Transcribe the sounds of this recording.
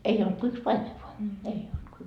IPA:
ei olt ko yks pɑime ʋoɑ ei olt ko

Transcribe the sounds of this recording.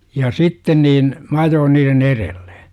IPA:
jɑ sitːen niːn m ɑjoːn niːren erell̥e̥

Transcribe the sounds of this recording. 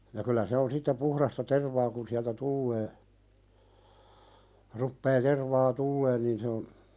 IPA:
jɑ kylæ se on sitːe puhɾɑstɑ terʋɑː kun siæltæ tulːeː rupːeː terʋɑː tulːeːn niːn se on

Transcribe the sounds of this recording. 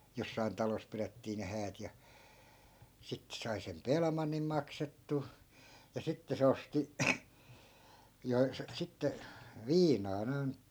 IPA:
josːɑi̯n tɑlos piretːiː ne hæːt jɑ sitːe sɑi sem pelmɑnːim mɑksetːuː jɑ sitːe se osti jo sitːe ʋiːnɑː noi̯n

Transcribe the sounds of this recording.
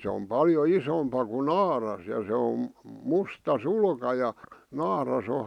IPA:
s om pɑljo isompɑ ku nɑːrɑs jɑ se om mustɑ sulkɑ jɑ nɑːrɑs o

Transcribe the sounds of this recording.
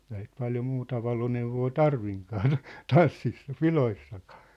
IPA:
eihæ sit pɑljo muːtɑ ʋɑloneuʋoː tɑrʋiŋkɑː tɑ̝ tɑnsːisːɑ piloisːɑkɑ̥ː

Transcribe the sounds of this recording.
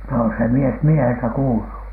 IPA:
no se mies mieheltæ kuːlu

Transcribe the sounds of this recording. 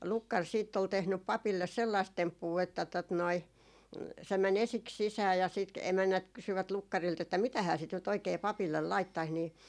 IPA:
lukːɑr siːtː ol tehnyp pɑpilːes selːɑist tempːuː etːæ tot noi se mæn esiks sisæː jɑ sit k emænːæt kysyʋæt lukːɑrilt etːæ mitæhæː sit nyt oikei pɑpilːel lɑitːɑis niː

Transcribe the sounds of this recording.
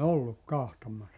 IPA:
olːuk kɑhtomɑsːɑ

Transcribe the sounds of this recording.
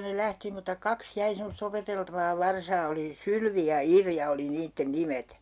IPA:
ne læhti mutɑ kɑks jæi semost opeteltɑʋɑː ʋɑrsɑː oli sylʋi jɑ irjɑ oli niːtːen nimet

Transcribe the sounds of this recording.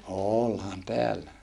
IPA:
oːlhɑn teælːæ

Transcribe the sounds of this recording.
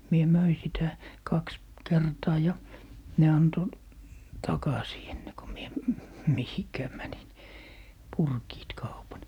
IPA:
mie møi sitæ kɑks kertɑː jɑ ne ɑnto tɑkɑsiː enːe ko mie mihikæː mænin purkiːt kɑupɑn

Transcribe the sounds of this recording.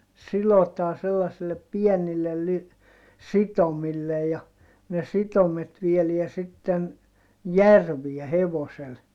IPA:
silotɑːn selːɑsilːep piɛnilːel ly sitomilːej jɑ ne sitomet ʋieliæ sitːen jærʋiɛ heʋosel

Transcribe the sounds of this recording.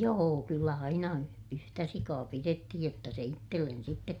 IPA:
joː kylːæ ɑinɑ y yhtæ sikɑː piretːihij jotːɑ se itːelːen sitːet

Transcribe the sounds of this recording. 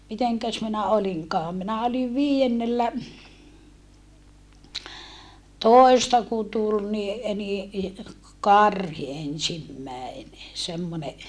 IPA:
miteŋkæs minæ oliŋkɑːm minæ oliʋ toˑistɑ ku tul ni ni kɑrhi ensimːæene semːone

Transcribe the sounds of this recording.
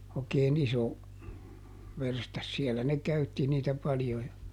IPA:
oˑĭkeːn iso ʋerstɑs siɛlːæ ne kæytːi niːtæ pɑljo jɑ

